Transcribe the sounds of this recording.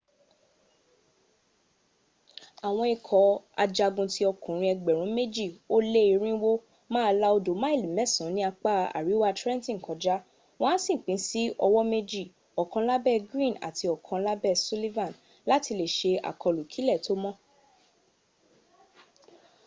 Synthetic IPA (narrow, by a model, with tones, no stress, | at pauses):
a˨w̃ɔ̃˧i˧kʰɔ˨a̰˧d͡ʒa˧ɡũ˧ti˦ɔ˧kũ˨ɾ̃ĩ˧ɛ˧ɡ͡bɛ˨ɾũ˨˦me˦d͡ʒi˦˨o˦le˦i˨˧ɾ̃ĩ˦wo˦ | mãː˦˧la˦o˧do˨˦mã˦e˦˨li˨mɛ˦˨sɔ̃˨˦nĩ˦a˧k͡pa˦˨a̰˨ɾi˨˦wa˧tɾɛ̃˦n˦tĩ˦˨kɔ˨d͡ʒa˦ | w̃ɔ̃˦sĩ˦˨k͡pĩ˨˦si˦ʔɔ˧wɔ˦me˦d͡ʒi˦˨ | ɔ˨kã˧˦la˦bɛ˦˨ɡɾĩ˦˨na̰˨tʰi˧ɔ˨kʰã˧la˦bɛ˦˨su˦li˦vã˦˨n | la˦ti˧le˨ʃe˧a̰˨kɔ˨˧lu˨kʰi˨˦lɛ˦˨to˦mɔ̃˦